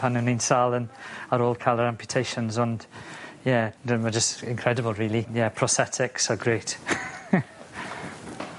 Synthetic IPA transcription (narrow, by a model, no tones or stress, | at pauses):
pʰanənĩnsalˠənəɾɔːlˠkʰaɪlˠəɾãmpʰjʊtʰejʃə̃nzənd̥jɛdəməd͡ʒəstɪ̃nkʰɹ̥ɛdəbəlˠɹiːlˠijɛpʰɹ̥ɔsɛtʰɪksəɡɾeːt